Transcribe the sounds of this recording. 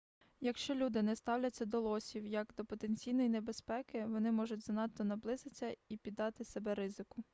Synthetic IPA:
jɐkʃt͡ʃɔlʲud̪ɪnɛst̪ɑwlʲɐt͡sʲːɐd̪ɔlˠɔsʲiwjɐɡd̪ɔpɔt̪e̞nʲt͡sʲijnɔjinebe̞spɛkɪʋɔnɪmɔʒʊtʲzɐnɑt̪ːɔnɐblˠɪzɪt͡sʲːɐipʲid̪ːɑt̪ɪsebɛɾɪzɪkʊ

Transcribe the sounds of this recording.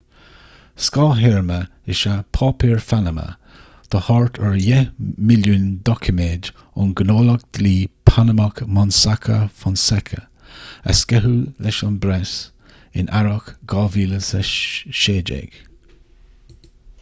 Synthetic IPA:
skɑlɦɛɹmə | ɪʃapʰɑːpʰiɹfanəmə̰ | t̪ʰəhɔɹt̪ʰəɹjɛmɪljuːnd̪ɔkʰəmeːd | ʊnɡənoːlək̚d̪̥liːpʰanəmakmɔnsakʰə̰fɔnsɛkʰə | ə̰skɛɦulɛʃɔnbɾɛs | ɪ̰nʔaɹɔkɡ̥ɑviːləsəʃeːd͡ʒḛɡ̥

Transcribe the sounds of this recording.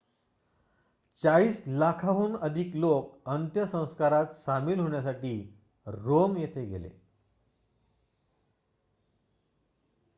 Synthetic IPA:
t͡saɭiːslakʰaɦuːnəd̪ʱiːklokənt̪jəsə̃w̃skaɾat̪samiːlɦoɳjasaʈiː | ɾomjet̪ʰeɡḛlḛ

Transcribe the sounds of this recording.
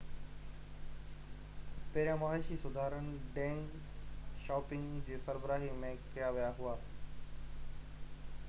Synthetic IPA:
pɐɦɾijãmaːʃisʊd̪ʱaːɾənɪɖɛ̃ːŋɡ | ʃɔːpɪ̃ŋɡd͡ʑeːsɐɾbəɾaːɦimẽkijaʋijaɦʊaː

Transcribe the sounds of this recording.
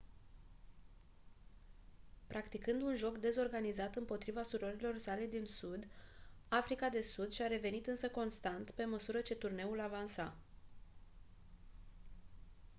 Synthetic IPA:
pɾʔakt̪ikɨnd̪unʒo̞kd̪e̞zo̞rɡanizat̪ɨmpo̞t̪ɾivasuɾoɾilo̞rsale̞d̪insud̪afɾikad̪e̞sud̪ʃʲaɾe̞ve̞nit̪ɨnsəko̞nst̪ant̪pe̞məsuɾət͡ʃe̞t̪urne̞ulavansa

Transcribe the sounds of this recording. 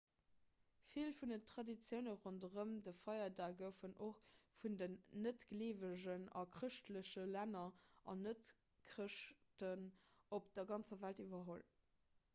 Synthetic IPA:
filfundətχɑdit͡sjəʊnəʁondəʁəmdəfɑɪɐdaːɡəʊfənʔoχfundənːətɡ̥leːvəʑənɑ̰kʁəʃtləɕəlænɐʔɑ̰nət | kʁəʃtənop̚d̥ɐɡɑnt͡səvæltivɐɦol

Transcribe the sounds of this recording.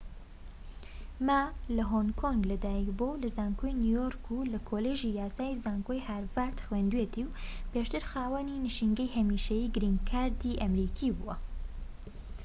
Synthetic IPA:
malɐɦoŋkʰoŋɡlɐd̪aːjikbowlɐzaːŋkʰojnjujoːɾkʰulɐkʰoːleːʒijaːsaːjizaːŋkojhaːɾvaːɾt̪xweːnd̪weːt̪iwpeːʃt̪ɨɾxaːwɐninɨʃiŋɡɐjhɐmiːʃɐjiːɡɨɾiːŋkʰaːɾd̪iːʔɐmɾiːkʰibṵwɐ

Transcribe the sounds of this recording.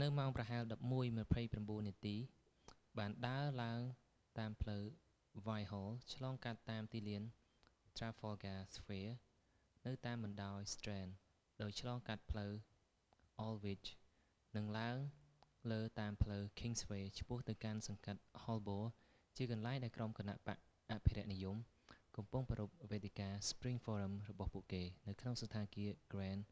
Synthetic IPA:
nɨwmaɔŋprɑɦaɛlɗɑp̚muəjməpʰəjpramɓuənːiət̪iː | ɓaːnɗaəlaəŋ | t̪aːmpʰləw | ʋajɦɔːlt͡ɕʰlɑːŋkat̪ːaːmt̪iːliən | t̪raːfɔɡaːsʋeə | nɨwt̪aːmɓɑnɗaɔjst̪rɛːn | ɗaɔc̚t͡ɕʰlɑːŋkat̪̚pʰləw | ʔɔlʋit͡ɕ | nɨŋlaəŋ | ləːt̪aːmpʰləwkʰiŋsʋeːt͡ɕʰpŭəht̪ɨwkansɑŋkat̪̚hɔlɓoː | t͡ɕiəkɑnlaɛŋɗaɛlkromkana̰ʔpa̰ʔ | ʔaʔpʰiɾɛ̆əʔnijum | kɑmpuŋprɔɾup̚ʋeːt̪ʰekaːspriŋfɔːɾəmrɔɓɑhpuəʔkeːnɨwkʰnoŋsat̪ʰaːnkiəɡ̥rɛːn

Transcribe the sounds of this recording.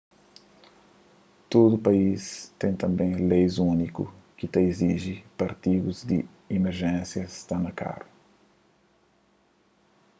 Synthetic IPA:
t̪od̪upaist̪ẽj̃t̪ɐ̃mbẽj̃lejzũnikṵkit̪ɐiziʒipɐɾt̪iɡuzd̪ḭ | imeɾʒẽsjɐst̪anɐka̰ɾu

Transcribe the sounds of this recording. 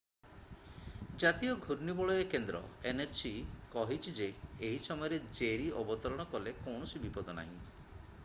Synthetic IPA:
d͡ʒat̪iɔɡʱuɾnibɔɭɔjekend̪ɾɔ̰enet͡ʃikɔɦit͡ʃʰid͡ʒeːɦisɔmɔjɔɾed͡ʒeɾiʔɔbɔt̪ɔɾɔɽ̃ɔkɔlekɔwɳ̃ɔsibipɔd̪ɔna̰ɦḭ̃

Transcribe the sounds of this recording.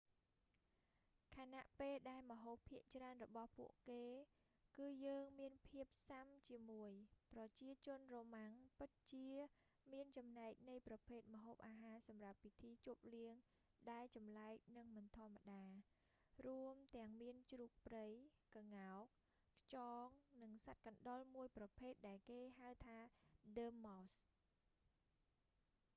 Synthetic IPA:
kʰanaʔpeːlɗaɛlmə̆ɦoːpʰːiəʔt͡ɕraənrɔɓɑhpṵəʔkeː | kɨːjəːŋmiənpʰiəp̚samt͡ɕiəmuəjprɑt͡ɕiət͡ɕʊ̆ənroːmaŋpɨt̪̚t͡ɕiə | miənt͡ɕɑmnaɛk̚nɨjprɑpʰeːt̪̚məɦoːp̚ʔaːɦaːsɑmrap̚ːit̪ʰiːt͡ɕŭəp̚liəŋ | ɗaɛlt͡ɕɑmlaɛk̚nɨŋmɨnt̪ʰŏəmːaɗaː | ruəmt̪ɛ̆əŋmiənt͡ɕruːk̚prəjkaŋaɔk̚ | kʰt͡ɕɑːŋnɨŋsat̪̚kɑnɗolmuəjprɑpʰeːt̪̚ɗaɛlkeːɦawt̪ʰaːɗəːmːɔs

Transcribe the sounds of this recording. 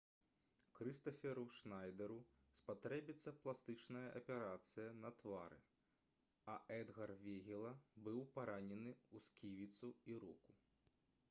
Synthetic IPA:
kɾɨst̪ɐfʲɛɾuʂnajd̪ɛɾu | spat̪ɾɛbʲit̪sːɐplˠast̪ɨt͡ʂnɐjɐʔɐpʲɛɾat̪sɨjɐnɐt̪vaɾɨ̰ | ɐʔɛd̪ɣɐrvʲɛɣʲɛlˠɐbɨwpaɾʔanʲɛnɨuskʲivʲit̪suiɾṵku

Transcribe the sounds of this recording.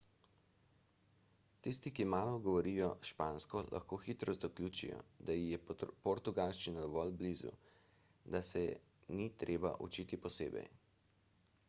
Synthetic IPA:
t̪ist̪ikimaːlɔɡɔʋɔɾijɔʃpaːnskɔlʔa̰xkoːxit̪ɾɔzd̪ɔklʲjuːt͡ʃḭjɔ̰d̪ajijɛpɔɾt̪uɡalʃt͡ʃinad̪ɔʋɔlblizṵ | d̪asɛ̰ | nit̪ɾʔeːba̰ʔṵt͡ʃit̪ipɔsḛːbɛ̰j

